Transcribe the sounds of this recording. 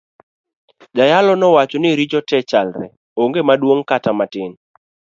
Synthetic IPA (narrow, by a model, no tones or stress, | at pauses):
d͡ʒajalɔnɔwat͡ʃɔnɪɾit͡ʃɔtɛt͡ʃalɾɛ̰ | oŋɡemadwoŋkatamatɪn